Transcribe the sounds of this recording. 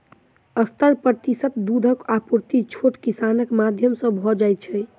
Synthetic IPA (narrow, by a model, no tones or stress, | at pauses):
əst̪əɾpɾət̪isət̪̚d̪ud̪ʱəkapuɾt̪it͡ʃʰoʈkisanəkmad̪ʱjəmsə̃bʱɔd͡ʒajt͡ʃʰɛ